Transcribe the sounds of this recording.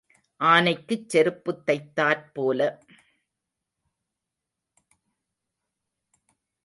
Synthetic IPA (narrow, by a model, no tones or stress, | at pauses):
ʔaːnɐɪkːɯt͡ʃːɛɾɯpːɯt̪ːɐɪt̪ːaːɾpoːlɐ